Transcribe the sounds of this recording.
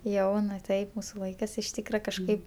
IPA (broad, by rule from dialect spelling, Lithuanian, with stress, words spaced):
ˈjɛʊnɐ ˈtɐɪp ˈmuːsʊ ˈlˠɐɪkɜs ɪʃ ˈtʲiːkrɐ kɐʃˈkɐɪp